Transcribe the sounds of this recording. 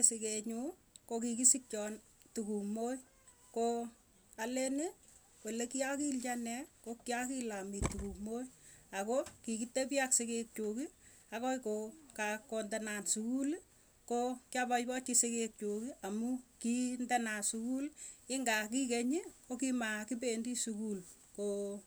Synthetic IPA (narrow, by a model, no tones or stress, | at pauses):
esikeɲu | kokikisik̚t͡ʃɔn | tukumoj | ko | alene | wolekiakilt͡ʃanɛkokiakilamitukumojakokikitep̬jaksekek̚t͡ʃoki | akɔkokakondɛnansukul | kokjabajpɔt͡ʃisekek̚t͡ʃokiʔamukindɛnasukulɪŋɡakikeɲiokimakip̬endisukul | ko